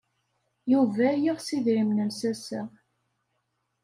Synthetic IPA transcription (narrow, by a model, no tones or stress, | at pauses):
juvæjiʁsiðɾimnənsæsæ